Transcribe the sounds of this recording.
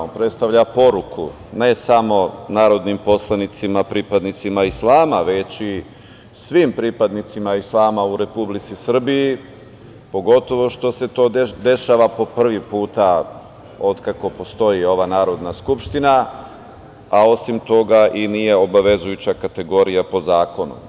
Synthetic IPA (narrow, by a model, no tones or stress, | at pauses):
pɾet̪st̪aʋʎapo̞ɾukʰṵ | ne̞samo̞naːɾo̞d̪nimpo̞slˠanit̪simapɾipad̪nit̪simaislˠaːmaʋe̞t͡ɕi | sʋimpɾipad̪nit̪simaislˠaːmauɾe̞publit̪sisr̩biji | po̞ɡo̞t̪o̞ʋo̞ʃt̪o̞se̞t̪o̞ːd̪e̞ʃaːʋapo̞pr̩ʋipuːt̪a | o̞d̪kako̞po̞st̪o̞jio̞ʋanaːɾo̞d̪naskupʃt̪ina | ao̞simt̪o̞ɡaʔinije̞o̞baʋe̞zujut͡ɕakat̪e̞ɡo̞ɾijapo̞zaːko̞nṵ